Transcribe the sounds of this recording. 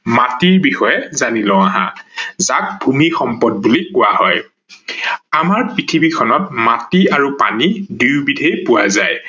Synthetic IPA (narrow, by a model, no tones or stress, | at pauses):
matiɹbixɔjɛzanilɔ̃aɦã̰zak̚bʱumixɔmpɔd̚bulikʊwahɔj | amaɹpɹitʰibikʰɔnɔt̚matiaɹupa̰nidijbidʱejpʊwazaj